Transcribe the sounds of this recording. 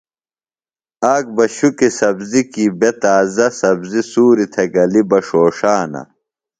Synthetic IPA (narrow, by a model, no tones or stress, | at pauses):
aːk̚bɐɕukisɐbzikibet̪aːzɐsɐbzisuːɾit̪ʰɐɡɐlibɐʂoːʂaːnɐ̰